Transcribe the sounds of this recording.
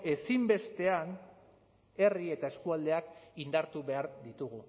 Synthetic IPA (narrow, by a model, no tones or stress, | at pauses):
e̞simbe̞st̪e̞an | e̞rie̞t̪ae̞skuald̪e̞akind̪aɾt̪uβe̞aɾðit̪uɣu